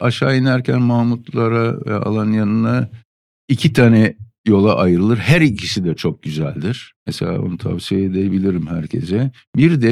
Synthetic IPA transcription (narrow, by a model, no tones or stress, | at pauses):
aʃaːinæɾcʰænmaːmut̪lˠaɾaɛ̰a̰lˠanjanɯna | icʰit̪ʰaːnɛ | jo̞lˠaʔajɯɾɯlˠɯɾɦæɾicʰisid̪ɛt͡ʃʰo̞k̚ɟyzæ̰lʲd̪iɾ̥mɛselʲa̰ːbo̰nut̪ʰa̰vsijeed̪eebilʲiɾimhæɾcʰe̞̰zɛ | biɾd̪ɛ